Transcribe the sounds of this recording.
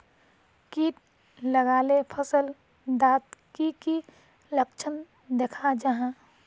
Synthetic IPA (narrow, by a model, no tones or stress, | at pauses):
kiːʈ̚ | ləɡaːlepʰəsəl | d̪aːt̪kiki | lək̚t͡ʃʰən | d̪ekʰad͡ʒəɦã